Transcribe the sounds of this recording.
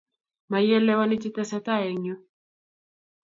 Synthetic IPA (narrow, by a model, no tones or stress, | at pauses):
majɛlːɛwanit͡ʃit̪ɛsɛt̪aeɲo